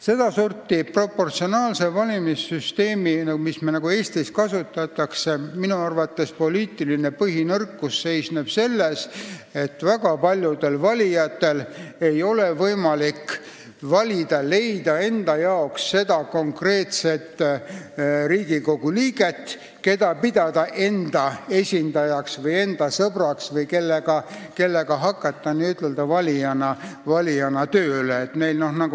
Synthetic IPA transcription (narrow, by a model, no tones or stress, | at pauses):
se̞d̪̥ɑsurt̪ːipro̞pːo̞rt̪sio̞nɑːlse̞vɑlʲimisːyst̪e̞ːminmismenɑɡue̞ːst̪iskɑsut̪ːˑɑt̪ːˑɑkse̞minuɑrvɑt̪ːˑe̞spo̞liːt̪ˑiline̞pɤɦinɤrkːˑusːe̞jsneb̥se̞lːese̞t̪ːˑvæɡɑpɑlʲjud̪e̞lvɑlʲijɑt̪ːe̞le̞jo̞levɤjmɑlik | vɑlʲid̪̥ɑle̞jd̪ɑe̞nd̪̥ɑjɑoksːe̞d̪ɑko̞ŋkre̞ːt̪se̞t̪ː | ɾiːɡ̥iko̞ɡ̥uliːɡ̥e̞t̪ː | ke̞d̪̥ɑpid̪̥ɑd̪ɑʔe̞nd̪̥ɑe̞sʲind̪̥ɑjɑksvɤje̞nd̪̥ɑsɤb̥rɑksvɤjke̞lːeɡ̥ɑke̞lːe̞ɡ̥ɑɦɑkːˑɑt̪ːɑniyt̪ːˑe̞ld̪̥ɑvɑlʲijɑnɑvɑlʲijɑnɑt̪øːleːt̪me̞jlno̞hnɑɡu